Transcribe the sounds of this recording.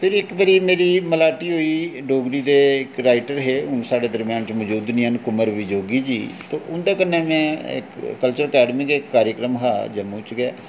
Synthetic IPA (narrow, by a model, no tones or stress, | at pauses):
pʰɪɾɪkbəɾiːmeːɾiːməlaːʈiːɦoːiːɖoːɡɾiːd̪eːɪkɾaːɪʈəɾɦeːʊnsaːɽeːd̪əɾmjãːnt͡ʃməd͡ʒuːd̪niənkʊməɾʋɪd͡ʒoːɡiːd͡ʒiːt̪oːʔʊnd̪aːkənːeːmɛ̃ːɪ̰kːəlt͡ʃəɾəkɛːɖmiːkekːaːɾjəkɾəmɦaːd͡ʒəmũt͡ʃɡɛː